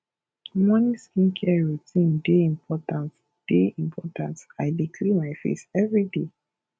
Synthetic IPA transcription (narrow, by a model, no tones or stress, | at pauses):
mɔ̃niskĩnkʰɛɹutĩndeĩmpʰɔtãnt | d̥eĩmpʰɔtãntaɪdikʰlimaɪfḛsɛvɹide